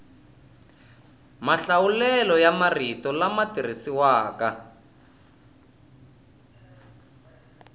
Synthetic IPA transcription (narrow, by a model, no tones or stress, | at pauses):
maɬawulɛlɔjamaritɔlamatir̤isiwaːka